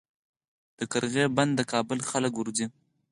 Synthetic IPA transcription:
d̪̥əkaɾɣeband̪ːəkɑbəlxaləkʊɾzi

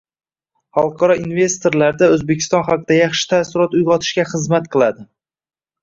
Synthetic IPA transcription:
χɑlˠqʰɒɾɒinve̞st̪oɾlaɾd̪aɵzbe̞kʲʰɪ̥st̪ɒnχɑqʰɨd̪ajɑχʃɪ̥t̪ʰasɪɾɒt̪ʊjʁɒt̪ʰɪ̥ʃkʲaχɨzmat̪qʰɨlˠad̪ɪ

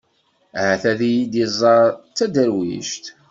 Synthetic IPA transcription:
ʕaθæðijid̪izˤːɑɾˤt͡sːæd̪əɾwḭʃt̪

